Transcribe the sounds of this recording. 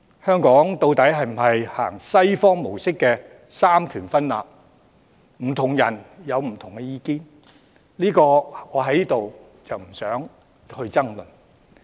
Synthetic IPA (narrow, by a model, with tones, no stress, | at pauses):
hœː˥ŋkɔː˨˥ŋt̪o˧wt̪ɐ˨˥jɦɐ˨jm̩˨˩ɦɐ˨jha̰ː˨˩ŋsɐ˥jfɔː˥ŋmo˨˩wsɪ˥kːɛː˧ | saː˥mk̪ʰyː˨˩nfɐ˥nla̰ː˨p̚ | m̩˨˩t̪ʰʊ˨˩ŋjɐ˨˩njɐ˨˧wm̩˨˩t̪ʰʊ˨˩ŋkɛ˧jiː˧kiː˥ | liː˥kɔː˧ŋɔː˨˧ɦɐ˨˥jliː˥t̪o˨w | t͡sɐ˨wm̩˨˩sœː˨˥ŋ | hɵ˧ɥt͡sɐ˥ŋlɵ˨˩n